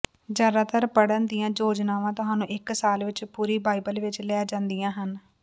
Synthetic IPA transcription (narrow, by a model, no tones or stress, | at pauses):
d͡ʒjaːd̪aːt̪əɾpəɽənd̪ijãːd͡ʒoːd͡ʒnaːʋãːt̪ʊɦãːnũːʔɪksaːlʋɪt͡ʃpuːɾiːbaːɪbəlʋɪt͡ʃlɛːd͡ʒãːnd̪ijãːɦən